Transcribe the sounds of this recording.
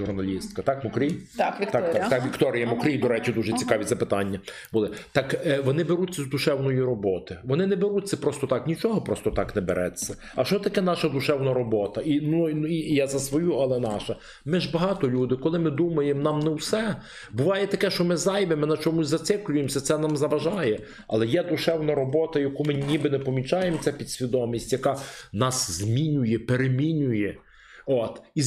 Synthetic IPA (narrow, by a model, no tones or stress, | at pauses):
ʒuɾnɐlʲist̪̚kɐt̪ɑkmɔkɾʲijt̪kʋʲit̪ɑkt̪akʋʲikt̪ɔɾʲɪjɐmɔkɾʲijd̪ɔɾɛt͡ʃid̪uʒɛt͡sʲikɑʋʲizɐpɪt̪ɑnʲːɐ | bʊlˠɪt̪ɐkʋɔnɪbeɾutʲt͡sʲːɐzd̪uʃɛwnɔjiɾɔbɔt̪ɪʋɔnɪnɛbeɾutʲt͡sʲːɐpɾɔst̪ɔt̪ɑknʲit͡ʃɔɦɔpɾɔst̪ɔt̪ɑknɛbeɾʔɛ̰t͡sʲːɐ | ɐʃt͡ʃɔt̪ɐkɛnɑʃɐd̪ʊʃɛwnɐɾɔbɔt̪ɐʔinunijazɐsʋɔjuɐlˠɛnɑʃɐ | mɪʒbɐɦɑt̪ɔlʲud̪ɪkɔlˠɪmɪd̪umɐjemnɑmnɛwsɛ | bʊʋɑjɛt̪ɐkɛʃt͡ʃɔmɪzɑjʋemɪnɐt͡ʃɔmʊsʲzɐt̪sɪklʲʊjemsʲɐt̪sɛnɑmzɐʋɐʒɑjɛ | ɐ̰lˠɛjɛd̪ʊʃɛwnɐɾɔbɔt̪ɐjɐkumɪnʲibɪnɛpɔmʲit͡ʃɑjemt͡sʲɛpʲid̪sʲʋʲid̪ɔmʲisʲtʲjɐkɑnɑszʲmʲinʲʊjɛpeɾemʲinʲʊjɛ | ot̪i